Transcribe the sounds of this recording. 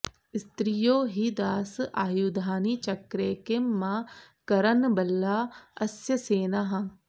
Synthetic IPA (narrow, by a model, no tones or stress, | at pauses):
ɪst̪ɾijoːɦid̪aːsaːjud̪ʱaːnit͡ʃɐkɾeːkemãː | kɐɾɐnbɐlːaːɐsjɐseːnaɦã